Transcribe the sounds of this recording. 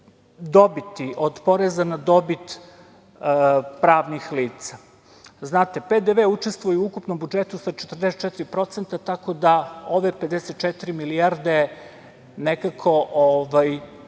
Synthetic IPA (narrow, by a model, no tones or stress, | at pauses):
d̪o̞bit̪iʔod̪po̞ɾezanad̪o̞bit̪ | pɾaːʋnixliːt̪sa | znaːt̪e̞ped̪eʋeut͡ʃe̞st̪vʋujuukupno̞mbud͡ʒe̞t̪usat͡ʃet̪rd̪eset̪t͡ʃet̪iɾipɾo̞t̪sent̪at̪ako̞d̪ao̞ʋe̞ped̪eset̪t͡ʃɛt̪iɾimiliaɾd̪e | nekakʰo̞ʔoʋaj